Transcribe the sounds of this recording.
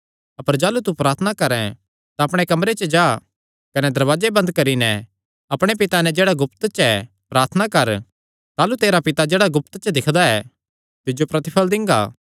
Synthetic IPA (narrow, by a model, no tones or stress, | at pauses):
ɐpəɾd͡ʒaːlut̪upɾaːɾt̪ʰənakɐɾɛ̃ | t̪aɐpɽ̃ekɐmɾet͡ʃəd͡ʒaː | kɐnɛd̪ɐɾʋaːd͡ʒebɐ̃nd̪kɐɾinɛ | ɐpɽ̃ep̬ɪt̪anɛd͡ʒeːɽaɡʊpt̪t͡ʃɛ | pɾaːɾt̪ʰənakɐɾ | t̪aːlut̪eːɾapɪt̪ad͡ʒeːɽaɡʊp̚t̪t͡ʃəd̪ɪkʰd̪aɛ | t̪ɪd͡ʒopɾɐt̪ɪpʰəld̪ɪ̃ŋɡa̰ː